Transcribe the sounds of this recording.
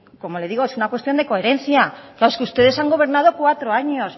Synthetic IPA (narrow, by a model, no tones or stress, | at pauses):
komo̞le̞ðiɣo̞e̞sunakwe̞st̪jo̞nd̪e̞ko̞e̞ɾe̞nθjaklaɾoeskeust̪e̞ð̞e̞saŋɡo̞β̞e̞ɾnað̞o̞kwat̪ɾoaɲo̞s